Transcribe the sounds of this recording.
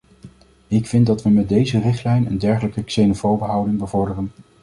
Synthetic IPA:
ɪkfɪndɑtʋəmɛd̚dejzərɪχtlɛjnəndɛɹχələkəksenofowbəɦɑwdɪŋbəvɔɹdərən

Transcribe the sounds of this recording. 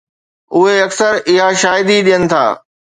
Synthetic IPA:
ʊɦeɐksəɾɪɦaʃaːɦɪd̪iɗijənɪ̆t̪ʰa̰ː

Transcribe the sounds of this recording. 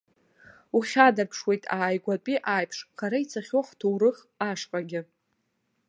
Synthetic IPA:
uχʲadarpʰʂwe̞jtʼaːjɡʷatʼiʔajpʰʂχaɾait͡sʰaχʲoaχtʰuwrɨχ | aʂqʼaɡʲɪ

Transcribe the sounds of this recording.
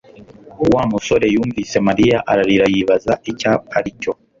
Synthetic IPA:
wamuso̞ɾe̞juːɱviːse̞maɾijaʔaɾaɾiɾajiβazaicapaɾico̞

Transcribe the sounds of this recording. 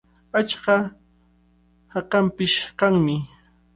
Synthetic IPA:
at͡ʃɢɑ | hɑqɑmpɪʃkɑŋmɪ

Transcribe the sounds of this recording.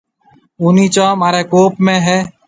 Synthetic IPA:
ʊːniːt͡ʃãːmaːɾeːkoːpmẽːɦɛː

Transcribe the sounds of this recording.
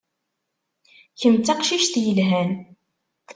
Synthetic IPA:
çənt͡sːɑqʃiʃθjəlɦæn

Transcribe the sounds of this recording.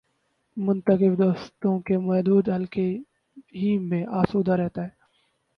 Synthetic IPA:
mʊnt̪əkɪfd̪oːst̪õkemɐɦd̪uːd̪ɦəlke | ɦiːmẽʔaːsuːd̪aɾɛɦt̪aːɦɛː

